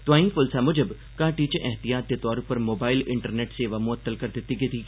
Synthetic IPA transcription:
t̪ʋaːĩfʊlsamʊd͡ʒəb | kãːʈiːt͡ʃeʔɛɦt̪ijaːt̪jət̪ɔːɾpəɾmoːbaːɪlɪɳʈəɾneːʈseːʋamʊət̪ːəlkɐɾt̪et̪iɡet̪iː

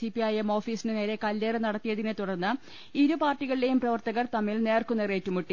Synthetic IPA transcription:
ipiɐjemo̞ːfiːsinɨneːɾe̞kɐlːeːrɨnɐɽɐt̪ːijɐðinɨt̪uɽɐrnːɨ | iɾupaːrtʈːiɣɐɭile̞jumprɐʋɐrt̪ɐɣɐrt̪ɐmːilne̞ːrkunːereːtːumuʈːi

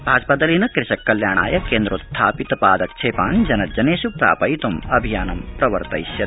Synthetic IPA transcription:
bʱaːd͡ʒɐpɐd̪ɐlinɐkɾɪʃɐkːɐljaːɳa̰ːjɐkeːnd̪ɾust̪ʰaːpit̪ɐpaːd̪ɐk̚t͡ʃʰeːpaːnd͡ʒɐnɐd͡ʒɐneːʃupɾa̰ːpɐjt̪umɐbʱijaːnɐmpɾɐʋɐɾt̪ɐ̰jiʃjɐt̪

